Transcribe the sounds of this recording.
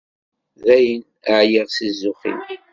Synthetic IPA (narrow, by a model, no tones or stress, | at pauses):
ðæjən | əʕjiʁsizːʊχḭl